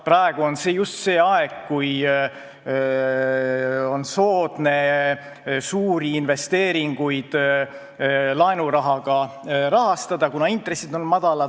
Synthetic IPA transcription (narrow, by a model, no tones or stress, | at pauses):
prɑeɡ̥uo̞nsejust̪se̞ːɑeɡ̥kuj | o̞nso̞ːd̪̥ne̞ | suːɾiinve̞st̪e̞ːɾiŋɡ̥ujd̪̥ | lɑenuɾɑɦɑɡ̥ɑ | ɾɑɦɑst̪ɑd̪ɑkunɑint̪resid̪o̞nmɑd̪̥ɑlɑ̥